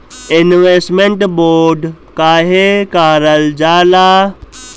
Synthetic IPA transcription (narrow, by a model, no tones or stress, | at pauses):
ɪnʋesʈmẽɳʈboːɾɖ | kaːɦekaːɾəld͡ʑaːlaː